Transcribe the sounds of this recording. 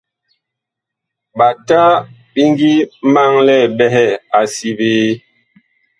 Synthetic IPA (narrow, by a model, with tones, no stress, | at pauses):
ɓa˨ta˦ | ɓi˦ŋɡi˦ma˦ŋlɛ˦˨bɛ˦ɦɛ˦˨a˨si˦beː˦